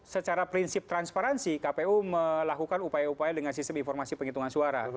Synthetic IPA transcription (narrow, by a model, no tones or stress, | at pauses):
sət͡ʃaɾapɾinsɪp̚t̪ɾanspaɾansikapeuməlakukanupajaupajadəŋansist̪əminfɔrmasipəŋit̪uŋansuaɾa̰